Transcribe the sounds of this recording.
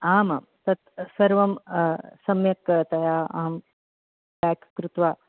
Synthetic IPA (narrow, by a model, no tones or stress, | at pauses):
aːma̰ːmt̪ɐt̪sɐɾʋɐmsɐmjɐkt̪ɐjaːɐ̰ɦɐm | baːkʰkɾut̪ʋaː